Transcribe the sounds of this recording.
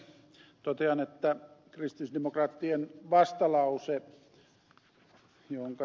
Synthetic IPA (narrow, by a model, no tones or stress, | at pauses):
t̪ot̪eɑnet̪ːækrist̪isdemokrɑːt̪ːienʋɑst̪ɑlɑuse | jooŋkɑ